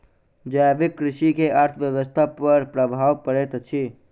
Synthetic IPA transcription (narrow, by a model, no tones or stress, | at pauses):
d͡ʒajbikːɾɪʃikeʔaɾt̪ʰəʋjəʋəst̪ʰapəɾpɾəbʱaːʋpəɾet̪t͡ʃʰi